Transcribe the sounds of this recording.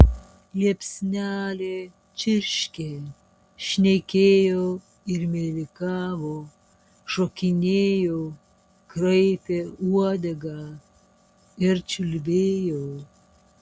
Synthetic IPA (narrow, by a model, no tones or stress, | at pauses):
lepsnʲaːle | t͡ʃiɾʃkʲe | ʃnekejo | iɾmelikavo | ʃokinʲejo | kɾəjpeuwad̪ɐɡa | eɾt͡ʃulbejo